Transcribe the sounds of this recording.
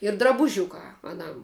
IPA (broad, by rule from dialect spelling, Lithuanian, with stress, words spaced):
ɪr drɐbʊˈʒʲʊkɑː ɐˈnɐm